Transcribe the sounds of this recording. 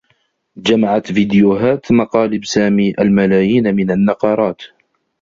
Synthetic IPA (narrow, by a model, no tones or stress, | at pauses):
d͡ʒamaʕat̪vid̪jʊɦaːt̪mɑqɑːlɪbsaːmiːʔalmalaːjiːnmɪnanːɑqɑɾˤɑːt̪